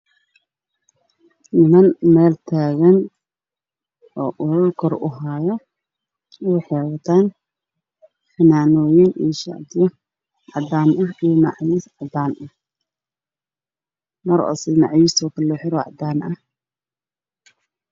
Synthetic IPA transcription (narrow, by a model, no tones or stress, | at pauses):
ʔɪmɐnmɛːlt̪ʰaːɣɐn | ɔːʔʊlʊlkʰɔrʊ̰ɦaːjɔ | wħɛwɐt̪ʰaːn | fɐnaːnɔːjɪnʔḭʃa̰ʕd̪ɪjɔ | ʕɑd̪aːnʔɐɦijnɑʕjisʕɑd̪aːnʔɐh | mɐɾɔ̰sɛjnɑʕjiːst̪ʰɔːkʰɐlɔħɪɾɔʕɑ̰d̪aːnʔɐh